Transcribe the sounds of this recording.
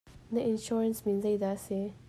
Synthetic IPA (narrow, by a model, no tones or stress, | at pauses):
naɪnʃoɾənsminzajd̪ɑse